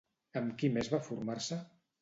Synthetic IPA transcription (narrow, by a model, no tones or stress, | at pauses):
əmkimezβafuɾmaɾsə